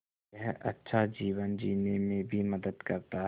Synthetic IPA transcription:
ɛɦʔɐ̰tːʃʰad͡ʒiːʋənd͡ʒiːnemẽbʱimɐd̪əd̪kɐɾt̪a

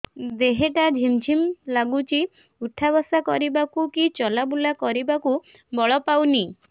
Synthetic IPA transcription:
d̪eɦeʈad͡ʒʱimd͡ʒʰʱimlaɡut͡ʃi | uʈʰːabɔsakɔɾibakukit͡ʃɔlabulakɔɾibaku | bɔɭɔpawni

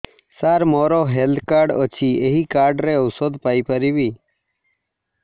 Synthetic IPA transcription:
saːɾmoːɾoːɦeld̪kaːɾɖo̰t͡ʃʰiːeɦiːkaːɾɖɾeːəwsoːd̪paːiːpəɾiːbiː

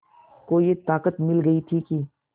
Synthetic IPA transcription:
koːiet̪aːkət̪mɪlɡɐit̪ʰiki

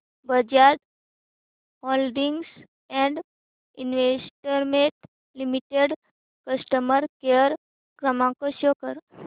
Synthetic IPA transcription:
bəd͡ʒad̪ | holɖiŋɡs | ɛ̃ɳɖ | inʋesʈəɾmeʈ | limiʈeɖ | kəsʈəməɾkeəɾ | kɾəmãkoʃjokəɾ

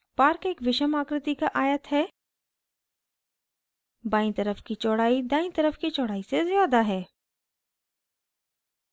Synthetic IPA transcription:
paːɾkeːkʋɪʃəmaːkɾɪt̪ikaʔaːjət̪ɦɛː | baːĩt̪ɐɾəfkit͡ʃɔːɽaːid̪ãːĩt̪ɐɾəfkit͡ʃɔːɽaːisezjaːd̪aɦɛː

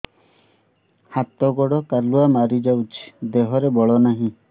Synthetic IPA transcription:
hat̪ɔɡɔɽɔkaluamaɾid͡ʒawt͡ʃʰi̥d̪eɦɔɾebɔɭɔnaɦĩ

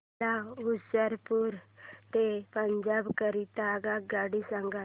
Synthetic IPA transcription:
ausəɾpuɾt̪epəɲd͡ʒabkəɾit̪aɡaɡaɽisaŋɡa

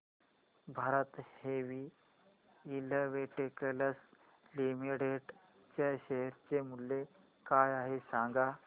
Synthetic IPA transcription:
bʱaɾət̪heʋiː | ləʋeʈekeləs | limiɽeɖ | t͡ɕaɕeɦəɾt͡ɕemulːe | kajaɦesãŋɡa

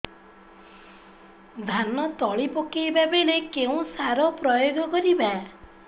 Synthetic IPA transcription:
d̪ʱanɔt̪ɔɭipɔkejbabelekeũsaɾɔpɾɔjoɡɔkɔɾiba

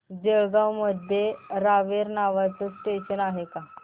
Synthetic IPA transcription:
d͡ʑeɭɡawməd̪ʱjeɾaʋeɾnaʋat͡səsʈeɕənaɦeka

